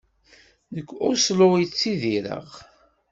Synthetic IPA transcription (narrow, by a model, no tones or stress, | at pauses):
nəkʷːʊslojt͡sːiðiɾə̰ʁ